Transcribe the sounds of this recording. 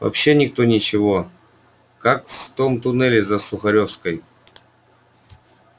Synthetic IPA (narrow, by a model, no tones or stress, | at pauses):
vɐ̰pɕːenʲɪk̚t̪o̞nʲɪt͡ɕɪvo̞ | kakft̪o̞mt̪ʊnɛlʲɪzəsʊxɐɾʲo̞fskəj